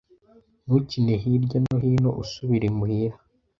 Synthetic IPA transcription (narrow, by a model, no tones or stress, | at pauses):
nucineɦiɾɟonoɦiːnoʔusuβiɾimuhiɾa